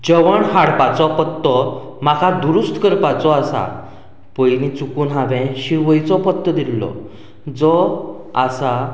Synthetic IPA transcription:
d͡ʑəʋəɳɦaɽpat͡sɔpət̪ːɔ | m̤akʰad̪uɾust̪ʰkəɾpat͡sɔasa̰ | pɔjnit͡sukuːnɦaʋɛ̃ɕiɾʋəjt͡sɔpət̪ːəd̪ilːɔ̰ | d͡zɔ | asa

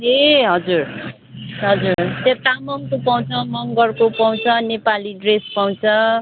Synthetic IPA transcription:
ɦeɦʌd͡zur | ɦʌd͡zurt̪et̪amʌŋkopaw̃t͡sʰʌmʌŋɡʌrkopaw̃t͡sʰʌnepaliɖrespaw̃t͡sʰʌ

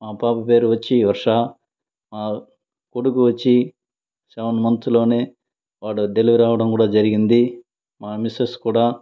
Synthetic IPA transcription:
maːpaːpɐpe̞ːɾuʋɐt͡ʃːiːʋɐɾʂaː | maː | koɽukuʋɐt͡ʃːi | sɐʋɐnmɐnt̪ulo̞ːne̞ː | ʋaːɽud̪eliʋɐɾaːʋɐɽɐmkuːɽaːd͡ʒɐɾiɡind̪i | maːmiseskuːɽaː

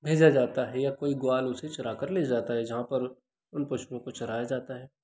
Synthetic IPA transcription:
bʱeːd͡ʒad͡ʒaːt̪aɦɛjakoːiɡʊaːlʊset͡ʃɐɾaːkəɾleːd͡ʒaːt̪aɦɛd͡ʒɐɦãpɐɾ | ʊnpɐʃɾõkot͡ʃɐɾaːjad͡ʒaːt̪aɦɛː

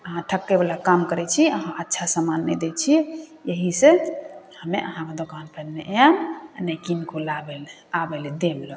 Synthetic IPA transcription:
əɦãʈʰəkːebalakamkəɾɛt͡ʃʰiəɦãʔətːʃʰasamanːəd̪et͡ʃʰijəɦisehəmeʔəɦãmed̪okanpənneʔannəkinkolabel | abeled̪eblo

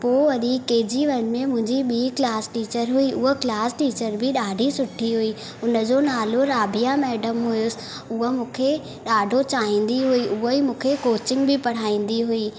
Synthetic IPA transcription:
poːʋɐɗikeːd͡ʑiʋɐnmẽmʊ̃ɦɪ̃ɲd͡ʑiɓiːklaːsʈiːt͡ɕəɾɦuiʔʊɦəklaːsʈiːt͡ɕəɾbɪɗaːɖʱisʊʈʰiɦui | ʊnə̆d͡ʑoːnaːloɾaːbʱijamɛːɖəmɦʊjʊsɪ̥̆ | ʊɦəmũːkʰe | ɗaːɖʱot͡ɕaːɦĩːn̆d̪iɦuiʔʊɦoimũːkʰekoːt͡ɕɪ̃ŋɡbɪpɐɽ̤aːĩːn̆d̪iɦuiː

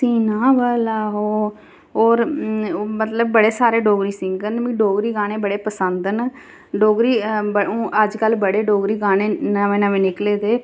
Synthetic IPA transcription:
siːnaːʋaːlaːɦoː | oːɾ | mət̪ləb̚ːəɽeːsaːɾeːɖoːɡɾiːsɪ̃ŋɡənʋĩːɖoːɡɾiːɡaːɽ̃ẽːbəɽeːpəsənd̪ən | ɖoːɡɾiːbəõːʔəd͡ʒkəlbəɽeːɖoːɡɾiːɡaːnẽːnaʋẽːnəʋẽːnɪkleːd̪eː

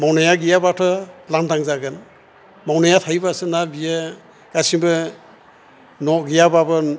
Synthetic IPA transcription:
mawnajaɡijabatʰɔlandaŋzaɡɯn | mawnajatʰajbasɯnabija | ɡ̥asiŋbɯ | nɔɡijababɯ

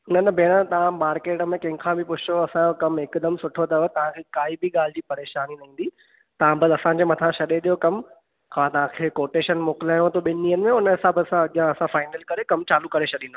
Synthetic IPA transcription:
ʊnənbʱeːɽ̃ət̪ɐʋ̤ãmaːɾkeːʈəmẽkɐ̃ɦɪ̃ɡkʰãbʱɪpʊd͡ʑʰt͡ɕoɐsãkɐmɦɪkd̪əmsʊʈʰot̪ɐʋət̪ɐʋ̤ãkʰeːkaːibɪɠaːl̤ɪd͡ʑiːpɐɾeːʃaːninɐɦĩn̆d̪i | t̪ɐʋãbɐd̪ɐsãd͡ʑeːmɐt̪ʰãʃɐɗeɗ̪ijokɐm | kʰãt̪ɐʋ̤ãkʰeːkoːʈeːʃənmoːkɪlaːjõt̪ʰoɓɪnnĩːənɪ̆mẽʊnɪsaːbəsãɐɠɪjãɐsãfaːɪnəlkɐɾekɐmt͡ɕaːlukɐɾet͡ɕʰɐɗĩːnd̪o

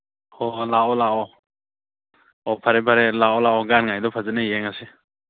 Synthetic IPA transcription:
ɔlaɔlaɔ | ɔpʰaɾebʰaɾelaɔlaɔɡanŋajdɔpʰazanajeŋase

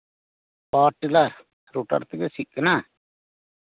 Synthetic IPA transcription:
paːʈlaɾ | ɾoːʈə̰ɾt̪ɡesɪkna

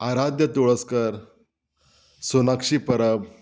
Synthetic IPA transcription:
aɾad̪jət̪oɭəskəɾ | sonakʂiːpəɾəb

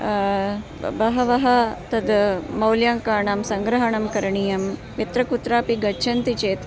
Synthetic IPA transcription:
bɐɦɐʋɐɦɐt̪ɐd̪mɐwljaːŋkaːɳaːmsɐŋɡɾɐɦɐɳɐmkɐɾɐɳijɐm | ʋit̪ɾɐkut̪ɾaːpiɡɐːt͡ʃʰɐnt̪it͡ʃeːt̪

